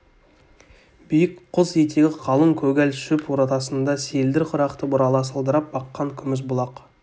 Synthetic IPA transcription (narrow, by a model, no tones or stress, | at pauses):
bijɪkqʰːʊzet̪ʰeɡʲɪqʰɑlˠəmkʲʰɵɡʲælʃʏpwoɾɑt̪ɑsənd̪ɑse̞ld̪ɪɾqʰʊɾɑqt̪əbʊɾɑlˠɑsəlˠd̪əɾɑp̚bɑqːɑŋkʲʰʏmɪz̬bʊlˠɑq